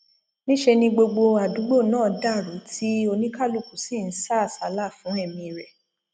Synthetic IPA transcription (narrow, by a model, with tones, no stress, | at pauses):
nĩ˦ʃe˧nĩ˧ɡ͡bo˧ɡ͡bo˧a˨du˨˦ɡ͡bo˦˨nãː˦˨˦da˦˨ɾu˨˦tʰi˦o˧nĩ˦ka˦˨lu˦˨ku˨si˦˨n̩˨˦sa˦˨sa˨˦la˦˨fũ˨˦ɛ˦˨mĩ˧ɾɛ˨